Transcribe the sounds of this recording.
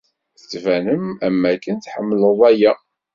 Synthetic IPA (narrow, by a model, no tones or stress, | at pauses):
θət͡sːvænəmæmːækːənθħəmːləðˤæjæ